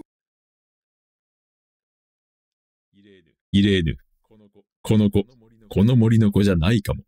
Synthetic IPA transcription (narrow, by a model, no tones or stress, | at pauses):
iɾe̞nɯ̟̰ | kʰo̞noko | kʰo̞no̞mo̞ɾʲino̞ko̞ʑanaikamo̞